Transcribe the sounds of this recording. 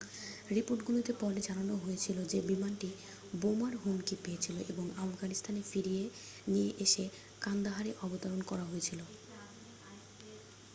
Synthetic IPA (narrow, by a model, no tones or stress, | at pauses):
ɾipoɾʈɡulit̪epɔɾed͡ʑananoɦojet͡ɕʰilod͡ʑebimanʈi | bomaɾɦunkipeet͡ɕʰiloʔeboŋafɡanist̪ʰanefiɾie | nijeʔeʃe | kand̪aɦaɾeʔɔbot̪aɾonkɔɾaɦojet͡ɕʰilo